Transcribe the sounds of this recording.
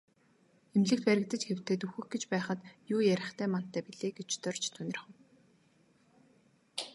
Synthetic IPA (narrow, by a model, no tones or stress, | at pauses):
emɮɘ̆k̚t̪pæɾʲɪ̆k̚t̪ə̆t͡ɕxew̥t̪eːt̪uxɘ̆xɡet͡ɕpæːχə̆t̪juːjæɾʲɪ̆χt̪ʰæːman̥t̪ʰːæːpiɮeːɡet͡ɕt̪œrt͡ɕt̪ʰunɪ̆rχʊ̆w